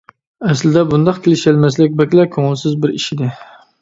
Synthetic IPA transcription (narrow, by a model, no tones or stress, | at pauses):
ɛslɪd̪ɛbund̪ɑqkʲʰelɪʃælmæslɪk̚ʲbɛkʲlæp̚kʲʰoŋɪlˠsɪzbɪɾiʃid̪ɪ